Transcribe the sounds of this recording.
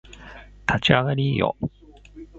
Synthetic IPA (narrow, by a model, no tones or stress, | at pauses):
t̪ʰat͡ɕiaɡaɾʲiːjo̰